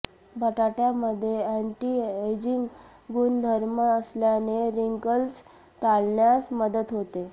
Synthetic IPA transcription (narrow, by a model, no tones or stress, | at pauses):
bʱəʈaʈjaməd̪ʱːjeæɳʈied͡ʑiŋɡ | ɡund̪ʱəɾməəsljaneɾiŋkəls | ʈalɳjat͡sməd̪ət̪ɦot̪e